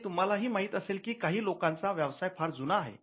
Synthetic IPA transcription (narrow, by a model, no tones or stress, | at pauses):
t̪um̤alaɦiːmaːɦit̪əseːlkikaɦiːlokãnt͡saʋjəʋsajpʰaɾd͡zunaːɦḛ